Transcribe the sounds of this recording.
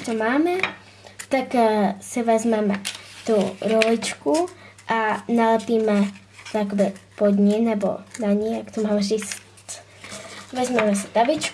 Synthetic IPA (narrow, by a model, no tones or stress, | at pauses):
t̪omaːmɛ | t̪aksivɛzmɛmɛ̰t̪uɾolɪt͡ʃku | ʔanalɛpiːmɛ | t̪akbɛpod̪ɲɛnɛbo̰naɲɛjakt̪omaːmɛzis | t̪ | vɛzmɛmɛsɛ̥d̪abɪt͡ʃk